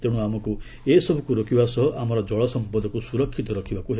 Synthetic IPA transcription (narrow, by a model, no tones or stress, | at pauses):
t̪eɽ̃uamɔku | esɔbʱɔkuɾokʰibasɔɦɔʔamɔɾɔd͡ʒɔɭɔsɔmpɔd̪ʱɔkusuɾɔkʰːit̪ɔɾɔkʰibakuɦe